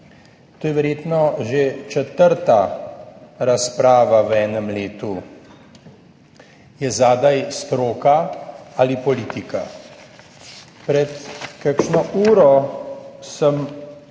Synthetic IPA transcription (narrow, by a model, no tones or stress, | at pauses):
t̪oːjɛʋɛɾjeːt̪nɔʒet͡ʃɛt̪əɾt̪a | ɾaspɾaːʋaʋɛːnəmleːt̪u | jɛzaːd̪ajst̪ɾoːkaalipɔliːt̪ika̰ | pɾɛt̪kakʃnɔʔuːɾɔ | səm